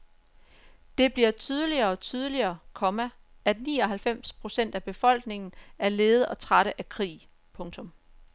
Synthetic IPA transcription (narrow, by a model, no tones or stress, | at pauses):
d̥e̝b̥liɐt͡sʰyːð̞ˠəliɐ̽ːt͡sʰyð̞ˠəliɐːkʰɒ̽mæ | æd̥nḭːɒ̽ɦælfem̰spʰʁo̝sen̰d̥æb̥e̝fɒ̽l̰ɡ̥ne̝ŋn̩æɐle̝ːð̞̩ˠɒ̽t͡sʰʁaɾ̥əʔækʰʁḭː | pʰɔ̽ŋt͡sʰɔ̽m